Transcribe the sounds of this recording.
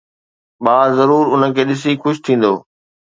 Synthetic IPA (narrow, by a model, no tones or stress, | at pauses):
ɓaːzɐɾuːɾʊnəkʰeːɗɪs̬ikʊʃʰt̪ʰĩːn̆d̪o̰ː